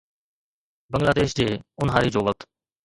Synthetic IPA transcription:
bəŋɡlaːd̪eːʃd͡ʑeːʊnɦaːɾiːd͡ʒoːʋək̚t̪

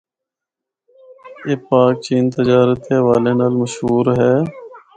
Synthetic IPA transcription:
jeːpaːk̚t͡ʃiːnt̪əd͡ʒaːɾət̪eːʋaːleːnaːlməʃɦuːɾɦɛː

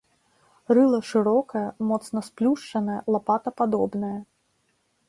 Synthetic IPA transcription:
rɨlˠɐʂɨɾɔkɐjɐmɔt̪snɐsplʲuʂt͡ʂɐnɐjɐlˠapat̪ɐpad̪ɔbnɐjɐ

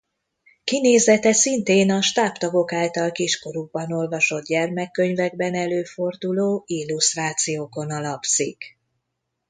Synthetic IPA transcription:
kineːzɛt̪ɛsint̪eːnɒʃt̪aːpt̪ɒɡo̞kaːlt̪ɒlkiʃko̞ɾuɡ̚bɒno̞lvɒʃo̞d̪ɟɛrmɛkːøɲvɛɡ̚bɛnɛløːfo̞rd̪uloːilːust̪raːt̪sijoːko̞nɒlɒpsik

